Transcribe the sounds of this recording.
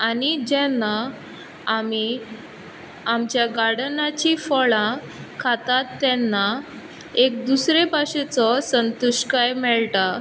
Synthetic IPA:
anid͡ʑɛ̃nːa | ami | amt͡ɕjaɡaɽnat͡ɕifɔɭã | kʰat̪at̪ːɛnːa | ek̚d̪usɾepaɕet͡sɔsənt̪uɕkajmɛɭʈa

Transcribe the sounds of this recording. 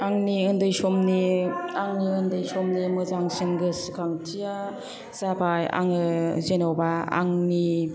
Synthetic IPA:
aŋniɯndɯjsɔmniaŋniɯndɯjsɔmnimɯzaŋsɯŋɡɯsɯkʰaŋtʰija | z̥abaja̰ŋɯzenɔwbaa̰ŋni

